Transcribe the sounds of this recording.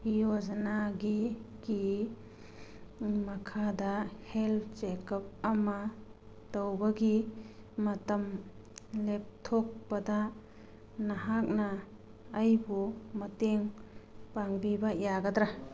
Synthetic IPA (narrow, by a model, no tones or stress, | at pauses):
ijozanaɡiɡi | mɐkʰadahelt͡ʃekɐp̚ɐma | təwbɐɡimɐtɐm | lep̚tʰɔk̚bada | naɦak̚naː | jbumɐteŋpaŋbibajaɡad̪ɾa